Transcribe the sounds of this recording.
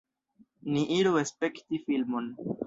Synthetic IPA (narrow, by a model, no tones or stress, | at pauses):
niʔiɾuespe̞ktifilmo̞n